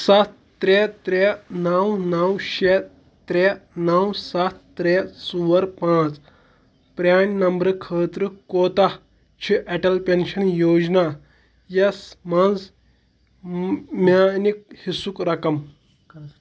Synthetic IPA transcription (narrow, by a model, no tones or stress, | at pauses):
sɐt̪ː | ɾet̪ɾenɐwnɐwɕe | t̪ɾenɐwsɐt̪ːɾesuwɐɾpãːt͡s | pɾʲaːnnɐmbɾɐkʰəːt̪ɾəkoːt̪a | t͡ʃʰiʔɛʈɐlpenʃɐnjoːd͡ʒna | jɐsmɐnd͡z | manik̚hisukɾɐkɐm